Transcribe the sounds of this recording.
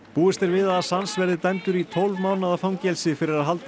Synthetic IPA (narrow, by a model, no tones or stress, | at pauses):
puːɪst̪ɪɾvɪðaːsansvɛɾðɪt̪ɛnt̪ʏɾit̪ʰɔlvmaːwnaðafawmcɛlsɪfɪɾɪɾaðɦalt̪